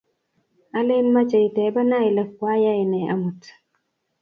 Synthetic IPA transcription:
a˦le˦nma˦t͡ʃə˨i˨tɛ˨˦ba˦na˦i˨lə˨k̚ːwa˦ja˦i˨nɛ˨ʔa̰˦mu˨t

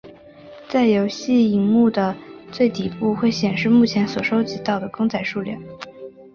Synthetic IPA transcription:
t͡sa˥˩ɪjo˧˥ʊɕi˥˩i˧˥ŋmu˥˩d̪ə˩t͡swe˥˩ɪt̪i˨˩pu˥˧xwe˥˩ɪɕjɛ˨˩nʂɻ̩˥˧mu˥˩t͡ɕʰjɛ˧˥nswɔ˨˩ʂo˥ʊt͡ɕi˧˥t̪ɑ˥˩ʊd̪ə˩kɤ˥ŋt͡sʰa˧˩ɪʂu˥˧ljɑ˥˩n

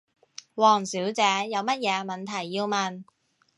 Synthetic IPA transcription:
wɔː˨˩ŋsiː˨˥wt͡sɛː˨˥jɐ˨˧wmɐ˥t̚jɛː˨˧mɐ˨nt̪ʰɐ˨˩jːiː˧wmɐ˨n

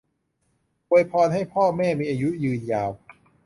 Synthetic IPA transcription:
pʰoː˧jpʰɔː˧nɦa˥˩jpʰɔː˥˩mɛː˥˩miː˧ʔaː˧ju˦˥jɯː˧njaː˧w

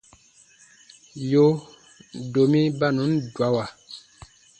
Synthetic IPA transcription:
jo˦ | do˨mi˦ba˦˨nu˨˦ndwa˦wa˨

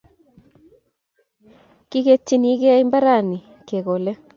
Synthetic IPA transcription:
ki˦ɣe˦tːi˦ni˦ɣe˦a˦i˦mba˦ɾa˦˨ni˨ | ke˨ɣo˨lɛ˦

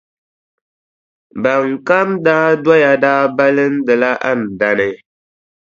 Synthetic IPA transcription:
ba˨ŋ˨ka˦mdaː˦dwa˦ja˨daː˦ba˦lɨ˦n̩˦dɨ˨la˦ʔa̰˦˨n̩˨da˨nɨ˦

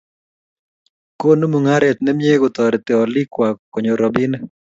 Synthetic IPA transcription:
ko˦no˦mu˨ŋa˦ɾɛ˨t̪̚nɛ˦mje˦ɡo˨t̪ɔɾɛt̪ɛ˨ɔ˨lɪ˦kwa˨kːɔ˨ɲo˨ɾɔ˨bi˦n

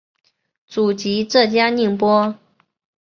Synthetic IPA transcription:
t͡su˨˩t͡ɕi˧˥ʈ͡ʂɤ˥˩t͡ɕja˥ni˥˩ŋpwɔ˥

